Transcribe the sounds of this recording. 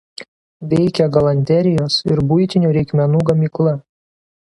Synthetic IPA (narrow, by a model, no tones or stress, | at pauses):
ʋʲɛɪkʲɛɡɐlˠɐnʲt̪ʲɛɾʲɪjoːsɪɾbʊɪt̪ʲɪnʲuːɾʲɛɪkmʲɛnuːɡɐmʲiːklˠɐ